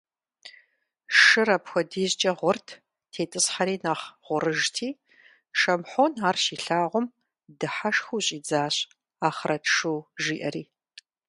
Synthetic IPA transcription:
ʂɨɾɐpxʷɔdiːʑt͡ʃʼɐʁʷʊrtʰ | tʰeːtʼɨsħaɾiːnɐχʁ̥ʷʊɾɨʒtʰiː | ʃɐmħoːnaːrʃiːɬaːʁʷʊm | dɨħaʂxuːɕʼiːd͡zaːɕʼ | aːχrɐtʰʂuːʒiːʔɐriː

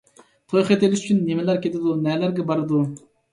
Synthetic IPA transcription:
t̪ʰojχet̪elɪʃyt͡ʃʰynːemɪlæɾkʲʰet̪ʰɪd̪unɛlæɾɡʲɛbɑɾɨd̪u

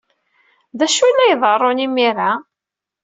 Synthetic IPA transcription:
ðæʃujlːæjðˤərˤːonimiɾa

